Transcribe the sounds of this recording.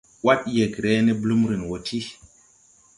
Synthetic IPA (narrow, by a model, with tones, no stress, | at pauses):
wa˦tje˨ɡɾe˦ne˦blu˦mɾi˨nwo˨tʰi˦